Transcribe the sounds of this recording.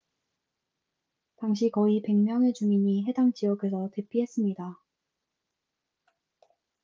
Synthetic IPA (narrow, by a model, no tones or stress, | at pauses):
taŋɕ̬ʰikʌipe̞ŋmjʌnet͡ɕuŋiɲiɦe̞daŋt͡ɕiʌɡʰe̞sʰʌte̞p͈iɦe̞s͈ɯmɲida